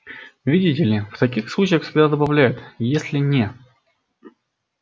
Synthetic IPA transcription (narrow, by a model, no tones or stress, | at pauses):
vʲidʲɪtʲɪlʲɪft̪ɐkʲixslˠut͡ɕɪjəxsʲɪb̪ʲad̪əbɐvlʲæjʊt̪jesʲlʲɪnʲe